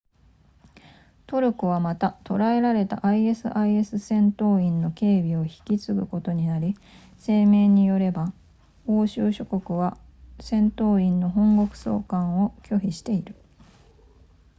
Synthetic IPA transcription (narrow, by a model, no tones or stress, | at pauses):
t̪o̞ɾɯ̟koβ̞amat̪at̪o̞ɾae̞ɾaɾe̞t̪a̰ʔaie̞sɨ̰ʔaie̞sɨsẽ̞nt̪o̞ːĩnːo̞ke̞ːbʲio̞çi̥kʲit͡sɨɡɯ̟ko̞t̪o̞ɲ̟inaɾʲi | se̞ːme̞ːɲ̟ijo̞ɾe̞ba | o̞ːɕɨːɕo̞ko̞kɯ̟βa | sẽ̞nt̪o̞ːĩnːo̞ɦõ̞ŋɡo̞kɯ̟̥so̞̰ːkãɰ̃o̞kʲo̞çʲiɕi̥t̪e̞iɾɯ̟